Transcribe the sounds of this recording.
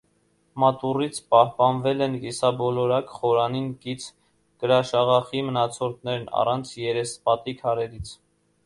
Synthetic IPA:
mɑt̪urit͡sʰpɑhpɑnvɛlɛnkisɑbɔlɔɾɑkχɔɾɑninkit͡sʰ | kəɾɑʃɑʁɑχimənɑt͡sʰɔɾt̪nɛɾnɑ̰rɑnt͡sʰjɛɾɛspɑt̪ikʰɑɾɛɾit͡sʰ

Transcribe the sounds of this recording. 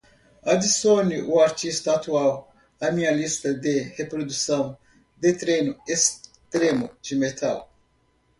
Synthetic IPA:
ad̪isoniʔuaɾt̪ist̪ɐat̪uaw | ɐmĩɲɐlist̪ɐd̪ehepɾod̪usɐ̃w̃ | d̪et̪ɾenʊest̪ɾemʊd͡ʒɪmet̪ʰaw

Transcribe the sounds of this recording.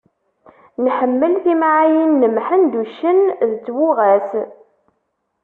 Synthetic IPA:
nħəmːəlθimʕajənːəmħənd̪uʃənðt͡sːwʊʁæθ

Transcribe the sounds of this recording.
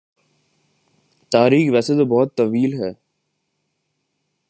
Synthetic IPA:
t̪aːɾiːkʋɛːset̪obɔːt̪ːɐʋiːlɦɛː

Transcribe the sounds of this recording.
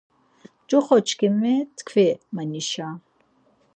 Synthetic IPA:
d͡ʒʼɔχɔt͡ʃʰkimɛt̪kʰvɛmaniʃa

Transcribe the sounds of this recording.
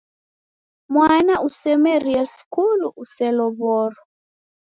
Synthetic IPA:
mwanaʔusɛmɛɾiaskuluʔusɛlɔβɔɾɔ

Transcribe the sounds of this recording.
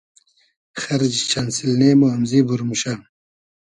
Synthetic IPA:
xɐɾd͡ʑit͡ɕʰansilneːmoɐmzibuɾmuɕan

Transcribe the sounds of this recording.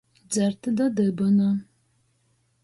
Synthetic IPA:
d͡zɐrtʰɨdɐdɐbɐnɐ

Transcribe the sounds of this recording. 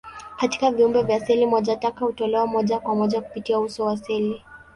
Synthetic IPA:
kati̥kaviumbɛvjasɛlimɔʄatakahutɔlɛwamɔʄakwamɔʄaku̥pitiausɔwasili

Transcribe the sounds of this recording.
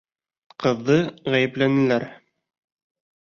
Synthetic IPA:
qɤ̆ðːɤʁæjɘ̆plænɘ̆læɾ

